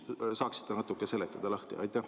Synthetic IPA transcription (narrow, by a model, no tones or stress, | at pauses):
sɑːksi̥t̪ːenɑt̪ːˑukːˑese̞lːet̪ːˑɑd̪̥ɑlɑht̪ḭʔɑ̰jt̪ˑːæh